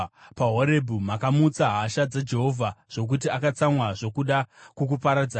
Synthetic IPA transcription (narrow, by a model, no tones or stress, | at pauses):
paɦoɾe̞bʱumakamut͡saɦaʃad͡zad͡ʒe̞ɦo̞vʱaʐ̥o̞k̬utiakat͡samwaʐo̞kuɗakuk̬upaɾad͡zaː